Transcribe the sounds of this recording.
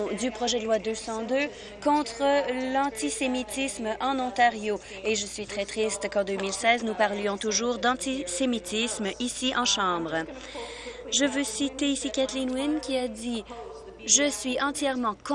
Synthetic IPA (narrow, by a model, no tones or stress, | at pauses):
d̪ypχɔʒɛd̪əlwad̪øsɑ̃d̪ø | kɔ̃t̪χəlɑ̃t̪isemit̪ismʔɑ̃nɔ̃t̪aʁjo | eʒəsɥit̪χɛt̪χist̪kɑ̃d̪ømilsɛːznupaʁljɔ̃t̪uʒuːʁd̪ɑ̃t̪isemit̪ʰismisiʔɑ̃ʃɑ̃ːbʁə | ʒəvøsit̪eisikʲat̪linwinkʲiad̪i | ʒəsɥiɑ̃t̪jɛʁmɑ̃k